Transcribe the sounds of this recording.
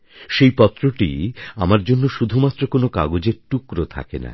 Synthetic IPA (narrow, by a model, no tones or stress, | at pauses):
ʃejpɔt̪ːɾoʈḭamaɾd͡ʑonːoʃud̪ʱumat̪ːɾokonoka̰ɡod͡ʑeɾʈukɾot̪ʰa̰kena̰